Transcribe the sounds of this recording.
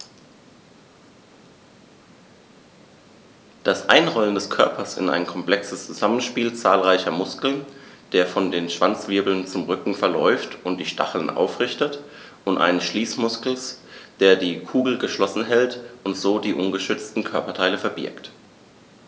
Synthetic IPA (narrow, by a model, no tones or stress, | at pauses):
d̥asʔa̰ɪnʁɔləndɛskʰœɐpʰɐsɪ̰na̰ɪnkʰɔmpl̥ɛksəst͡suzamənʃpiːlt͡saːlʁaɪçɐmʊskl̩nd̥eːɐfɔndeːnʃv̥ant͡sv̥ɪɐbl̩nt͡sʊmʁʏkŋ̩fɛɐlɔ̰ʏftʊntd̥iːʃta̰χl̩nʔa̰ʊfʁɪçtət | ʔʊntʔa̰ɪnəsʃliːsmʊskl̩sd̥eːɐdiːkʰuːɡl̩ɡəʃlɔsn̩ɦɛltʔʊntz̥oːdiːʔʊnɡəʃʏt͡stn̩kʰœɐpɐtʰaɪləfɛɐbɪ̰ɐkt